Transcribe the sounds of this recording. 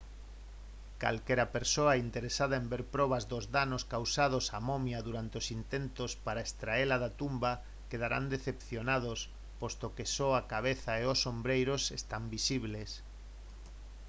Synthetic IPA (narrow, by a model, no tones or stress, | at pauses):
ka̰lkeɾapeɾsoaint̪eɾesaðaembeɾpɾɔβ̞azðozðanoskawsaðosamomjaðuɾant̪eosint̪ent̪ospaɾaest̪ɾaelaðat̪umba | keð̞aɾa̰nd̪eθepθjonað̞os | post̪okesoakaβ̞eθaeosːombɾejɾosest̪ambisiβles